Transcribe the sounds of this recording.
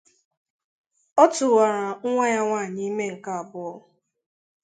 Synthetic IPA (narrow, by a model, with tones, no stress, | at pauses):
ɔ˦tʊ˨wa˨ɾa˨ŋ̩˦ŋʷa˦ɲa˦ŋʷaː˦˨ɲɪ˦i˦me˦ŋ̩˨ka˦a˨bʊ˦ɔ˦